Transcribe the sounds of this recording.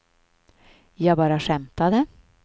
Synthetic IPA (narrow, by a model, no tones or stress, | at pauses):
jɑːɡbɑːɾaʂɛmt̪ad̪ə